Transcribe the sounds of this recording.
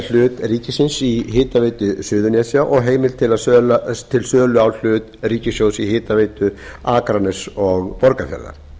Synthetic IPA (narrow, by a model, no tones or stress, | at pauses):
l̥ʏːt̪riːcɪsɪnsiɦɪːt̪aveːjt̪ʏsʏːðʏnjasjaʔɔɣɦeːjmɪlt̪ʰɪlasœlat̪ʰɪlsœːlʏawl̥ʏːt̪riːcɪsjowsihɪːt̪aveːjt̪ʏaːkɾanɛsɔɣpɔɾkafjɛ̰ɾða̰ɾ̥